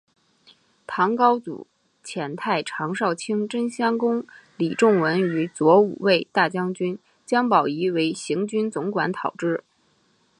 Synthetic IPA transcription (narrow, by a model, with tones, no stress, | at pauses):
t̪ʰɑ˧˥ŋkɑ˥ʊt͡sṵ˨˩ | t͡ɕʰjɛ˧˥nt̪ʰa˥˩ɪʈ͡ʂʰɑ˧˥ŋʂɑ˥˩ʊt͡ɕʰi˥ŋʈ͡ʂə˥nɕjɑ˥ŋkʊ˥ŋli˨˩ʈ͡ʂʊ˥˩ŋwə˧˥ny˧˥t͡swɔ˧˥ṵ˨˩we˥˧ɪt̪a˥˩t͡ɕjɑ˥ŋt͡ɕy˥n | t͡ɕjɑ˥ŋpɑ˨˩ʊi˧˥we˧˥ɪɕi˧˥ŋt͡ɕy˥nt͡sʊ˧˥ŋkwa˧˥nt̪ʰɑ˨˩ʊʈ͡ʂɻ̩˥˩